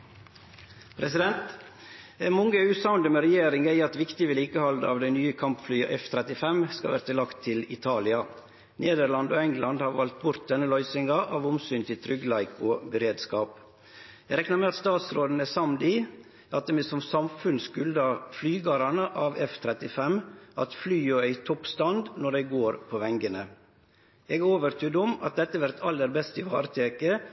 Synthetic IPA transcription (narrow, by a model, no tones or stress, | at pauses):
pʰɾɛsɪd̪ɛnt̪ | ɛnmɔŋːəʉːsɑʊnd̪əməɾɛjeːɾɪŋæɪɑt̪ʋɪkt̪ɪʋəliːkəhɑld̪əɑ̰ːʋd̪ɛɪnyːəkʰɑmpflyːɑ̰ʔɛft̪ʰɾɛt̪ɪfɛmskɑ̰ʋæ̰ɾət̪ʰɪlɑkt̪ʰːɪlɪt̪ʰɑːlɪɑ | neːd̪əɾlɑnd̪oːɛŋlɑnd̪hɑːɾʋɑlt̪̚bʊɾt̪̚d̪ɛnːəlœʏsɪŋɑʔɑːʋʊmsyːnt̪ʰɪlt̪ʰɾʏɡlæɪkobəɾeːd̪skɑːp | jɛɡɾɛknɑɾmɛɑt̪st̪ɑːt̪sɾoːd̪n̩əsɑmd̪iː | ɑt̪̚d̪ɛmɛsɔmsɑmfʉnskʉld̪ɑflyːɡɑɾɑnəʔɑːʋɛft̪ʰɾɛt̪ɪfɛmʔɑt̪flyːjøæɪt̪ʰɔpst̪ɑnd̪nɔɖæɪɡoːɾpʰoʋɛŋɡənə | ɛːɡoːʋəɾt̪ʰyd̪ʊmɑ̰t̪̚d̪ɛt̪ːəʋæɾt̪ʰɑlːəɾbɛst̪ɪʋɑ̰ːɾət̪ʰeːkə